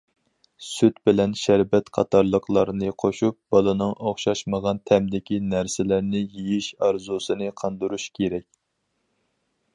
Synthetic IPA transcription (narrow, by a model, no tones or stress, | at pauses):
syt̪bɪlɛnʃæɾbɛt̪qʰɑ̰t̪ɑɾlˠəqlˠɑɾnɨqʰoʃup̚bɑlˠɨnɨŋʔoχʃɑʃməʁɑnt̪ʰɛmd̪ɪkʲinæɾsɪlæɾnɪjijiʃɑɾzusɨnɨqʰɑnd̪ɨɾuʃkʲʰeɾɛkʲ